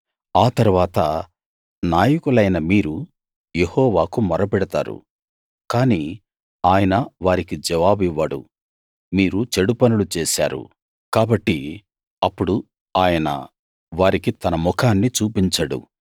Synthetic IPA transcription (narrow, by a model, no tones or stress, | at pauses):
aːt̪ɐɾuʋaːt̪ɐ | naːjɐkulɐjnɐmiːɾu | jehɔːʋaːkumɐɾɐpɛɽɐt̪aːɾṵ | kaːniː | aːjɐnɐʋaːɾikid͡ʒɛʋaːbiʋːɐɽṵ | miːɾut͡ʃeɽupɐnulut͡ʃɛːsa̰ːɾṵ | kaːbɐʈːi | ɐpːuɽu | aːjɐnɐ̰ | ʋaːɾikit̪ɐnɐmukʰaːnːit͡ʃuːpiɲt͡ʃɐɽṵ